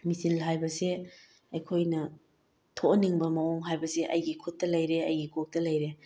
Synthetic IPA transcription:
misilɦajbɐse | ɐjkʰojnɐ | tʰoniŋbɐmɐoŋɦajbɐseʔɐjɡikʰut̚ːɐlɐjɾeɐjɡikʰok̚tɐlɐjɾe

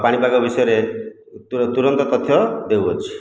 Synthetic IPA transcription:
paɽ̃ibaɡɔbisɔjɔɾe | ut̪uɾɔnt̪ɔt̪ɔt̪ʰːjɔd̪ewot͡ʃʰi̥

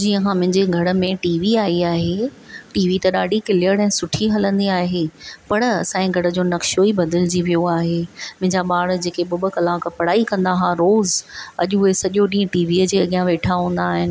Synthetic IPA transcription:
d͡ʑiːə̃kʰãmʊ̃ɦɪ̃ɲd͡ʑeɡʱɐɽə̆mẽʈiːʋiaːiaːɦe | ʈiːʋit̪ɐɗaːɖikɪlɪjəɽɛ̃ːsʊʈʰiɦɐlə̃nd̪iaːɦepɐɽɐsãːĩɡʱɐɽəd͡ʑoːnɐkʃoibɐd̪əld͡ʑiʋijoaːɦeːmʊ̃ɦɪ̃ɲd͡ʑaɓaːɽd͡ʑeːkeɓʊbə̆kɐlãːkɐpɐɽaːikɐ̃nd̪aɦãɾoːzɐʄʊɦesɐʄoɗĩːə̃ʈiːʋiːəd͡ʑeːɐɠijãʋeːʈʰaɦũːn̆d̪aːɦɪnɪ̆

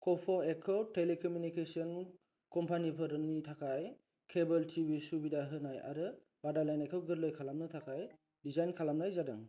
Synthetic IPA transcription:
kɔpʰɔekʰɔwtːelekɔmjunikesiɔn | kɔmpʰanipʰɯɾɯnitʰakʰaj | kʰebɐltʰibisubidaɦɯnaja̰ɾɯ | badalajnekʰɔwɡɯɾlojkʰalamnɯtʰakʰaj | dizajnkʰalamnajzadɯ̰ŋ

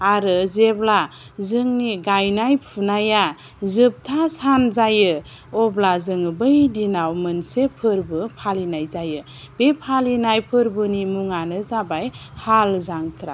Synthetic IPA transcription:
aɾɯzebla | zɯŋniɡajnajpʰunaja | zɯp̚tʰasanzajɯ | ɔblazɯŋɯbɯjdinawmɯnsepʰɯɾbɯpʰalinajzajɯ | b̥epʰalinajpʰɯɾbɯnimuŋanɯzabajhalzaŋkʰɾa̰

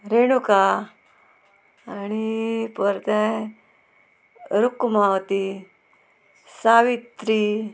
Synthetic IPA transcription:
ɾeɽ̃uka | ñipəɾt̪ẽ | ɾukmawt̪i | saʋit̪ɾi

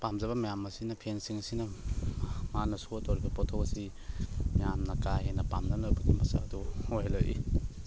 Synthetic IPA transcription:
pamzɐβɐmɐjamɐsinɐpʰensiŋɐsinɐ | manɐsutowɾibɐpɔtʰosi | mɐjamnɐkajhenɐpamnɐnojbɐɡimɐsaɐduojlojʔḭ

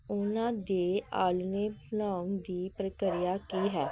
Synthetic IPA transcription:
ʊnãːd̪eːa̰ːlneːblaːund̪iːpɾəkəɾijaːkiːɦɛː

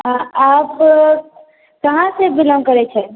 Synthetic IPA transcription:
ɦãap | kəɦãsebiləmkəɾɛt͡ʃʰɛ

